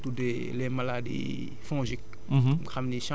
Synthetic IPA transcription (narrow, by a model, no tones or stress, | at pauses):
tude | lemaladḭ | fɔ̃ːʒik̚ | xamniʃã